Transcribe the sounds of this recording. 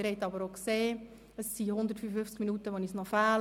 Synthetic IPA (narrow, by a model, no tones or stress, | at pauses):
ɾhɛɪtːɑbəɾokseː | əsːihʊnd̪əɾtfyfəfʏft͡skminuːtəʋɔnisnɔfæːl